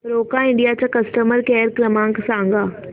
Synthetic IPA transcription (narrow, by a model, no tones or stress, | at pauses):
pɾoːkaɪ̃ɳɖijat͡ɕakɐsʈəməɾkɛːɾkɾɐmãːŋksãːŋɡaː